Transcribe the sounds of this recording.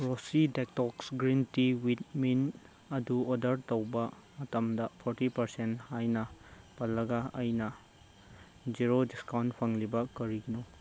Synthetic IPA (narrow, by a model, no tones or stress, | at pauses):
ɾosidek̚tɔksɡɾintiwit̚min | ɐduodɐɾtɐwbɐ | mɐtɐmdɐpʰoɾtipɐɾsenthajnɐ | pɐlːɐɡɐɐjnɐ | d͡ʒiɾodiskawntpʰɐŋlibɐkɐɾiɡino